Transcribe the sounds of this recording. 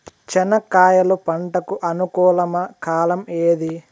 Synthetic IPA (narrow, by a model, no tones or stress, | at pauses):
t͡ʃɛnɐkaːjɐlupɐɳʈɐkuʔɐnukuːlɐmɐkaːlɐmeːd̪i